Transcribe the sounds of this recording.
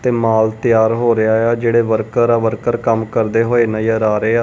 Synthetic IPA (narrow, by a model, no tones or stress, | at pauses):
t̪eːmaːlt̪ɪjaːɾɦoːɾɪjaːeaːd͡ʒeːɽeːʋəɾkəɾaːʋəɾkəɾkəmkəɾd̪eːɦoːeːnəiːəɾaːɾeːaː